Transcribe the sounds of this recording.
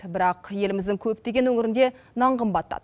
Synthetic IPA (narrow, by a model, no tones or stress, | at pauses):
bɪɾɑqje̞lɪmɪzd̪ɪŋkʲʰɵp̚t̪e̞ɡʲe̞nwɵŋɪɾɪnd̪e̞ | nɑɴqʰəmbɑt̪ːɑ̰d̪